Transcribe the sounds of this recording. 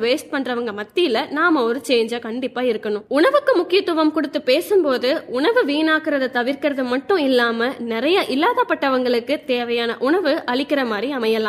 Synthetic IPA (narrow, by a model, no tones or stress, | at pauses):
ʋeːsʈ̚pɐɳrɐʋɐŋɡɐmɐt̪ːɪjɪlɐnaːmɐɔɾɯt͡ʃeːɲd͡ʒaːkɐɳɖɪpːaːɪɾɯkːɐɳʊ̃ʊɳɐʋɯkːɯmʊkːɪjɐt̪ːɯʋɐmkʊɽɯt̪ːɯpeːsɯmpoːðɯʊɳɐʋɯʋiːnaːkɪɾɐðɐt̪ɐʋɪɾkɪɾɐðɯmɐʈːʊ̃ɪlːaːmɐnɪɾɐjɐʔɪlːaːðɐpːɐʈːɐʋɐŋɡɐɭɯkːɯt̪eːʋɐjaːnɐʔʊɳɐʋɯʔɐɭɪkːɪɾɐmaːd̪ɾriɐmɐjɐlãː